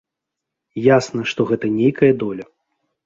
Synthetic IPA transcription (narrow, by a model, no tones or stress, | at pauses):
jasnɐʂt̪ɔɣɛt̪ɐnʲejkɐjɐd̪ɔlʲɐ